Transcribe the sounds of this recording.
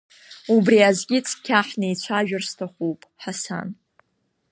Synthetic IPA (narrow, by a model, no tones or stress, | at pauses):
ubriazɡʲɪt͡sʰkʲʰaħnejt͡ɕʷʰaʒᶣʊrstʰaχʷupʼħasa̰n